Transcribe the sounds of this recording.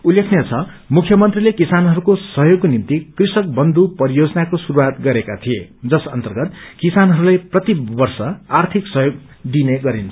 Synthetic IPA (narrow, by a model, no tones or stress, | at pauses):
ulːekʰnjet͡sʰʌ | mukʰjʌmʌnt̪rilekisanɦʌɾukosʌɦjoɡ̚kːonimt̪ikrisʌk̚bʌnd̪upʌɾijod͡zʌnakosuɾuwat̪ɡʌɾekat̪ʰijed͡zʌsʌnt̪ʌrɡʌt̪kisanɦʌɾulajprʌt̪ibʌrsʌart̪ʰiksʌɦjoɡ | d̪ineɡʌɾint͡sʰʌ